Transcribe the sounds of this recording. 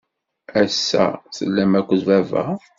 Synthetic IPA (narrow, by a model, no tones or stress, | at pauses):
æsːæ̰səlːæmækʷːðvævæ̰